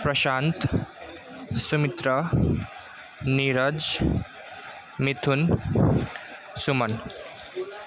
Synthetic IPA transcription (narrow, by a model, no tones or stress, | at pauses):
pɾʌʃant̪ | sumit̪ɾʌ | niɾʌd͡z | mit̪ʰun | sumʌn